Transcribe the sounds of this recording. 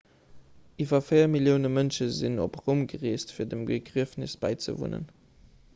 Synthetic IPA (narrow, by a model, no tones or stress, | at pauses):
ʔivɐfɜɪɐmiljəʊnəmənʃəzino̰pʁomɡəʁiːstfiːɐdəmɡəɡʁiəfnisb̥æ̰ɪt͡sə̰vṵnə̰n